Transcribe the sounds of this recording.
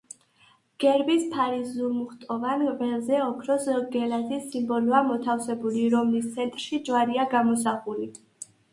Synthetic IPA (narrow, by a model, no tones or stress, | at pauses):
ɡ̥ɛɾbispʰaɾisumuχt̪ʼɔvanvɛlzɛɔkʰɾɔsɡɛlazisːimbɔluamɔt̪ʰafsɛbuliɾɔmlist̪sʰɛnt̪ʼɾʃid͡ʒwaɾiaɡamɔsaχuli